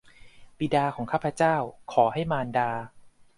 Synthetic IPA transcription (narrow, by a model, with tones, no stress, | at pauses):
bi˨˧˦daː˧kʰɔː˩˦ŋkʰaː˥˩pʰɾa˧˥t͡ɕaː˥˩wkʰɔː˩˦ɦa˥˩jmaː˧ndaː˧